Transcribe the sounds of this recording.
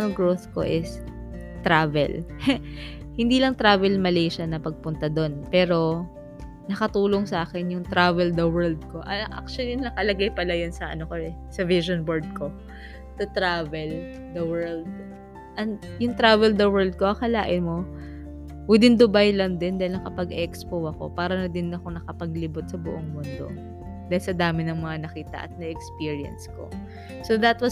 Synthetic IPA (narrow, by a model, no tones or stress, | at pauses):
ɐlɡɹowθko̰ʔɪs | t̪ɾaːvɛ̰l | hɪnd̪iːlɐŋt̪ɾaːvɛlmɐlɛjʃɐnɐpɐɡ̚pʊnt̪ɐd̪o̞npɛːɾo̞ | nɐkɐt̪uːloŋsɐʔaːkɛnjʊŋt̪ɾavɛld̪ɐwɛɹld̪̚ko̞ʔɐʔa̰k̚t͡ʃʊɐlinɐkɐlɐɡajpɐlajonsɐʔɐ̰nokoɛ | sɐviʃonboɹd̪̚ko̞ | t̪ɐt̪ɾaːvɛl | d̪ɐwɛɹld̪̚ | ʔɐjʊŋt̪ɾaːvɛld̪ɐwɛɹld̪̚koʔɐkɐlaːʔɪnmo̞ | wɪd̪ɪnd̪ʊbajlɐnd̪ɪnd̪aːɪlnɐŋkɐpɐɡʔɛkspowʔɐko̞̰paːɾɐnɐd̪ɪnːɐko̞nɐkɐpɐɡlibot̪̚sɐbʊʔoŋmʊnd̪o̞̰ | d̪aːhɪlsɐd̪aːmɪnɐŋmɐŋanɐkiːt̪ɐ̰ʔɐ̰t̪̚nɛʔɛkspiɹɪɐ̰nsko̞̰ | soðɐt̪wɐ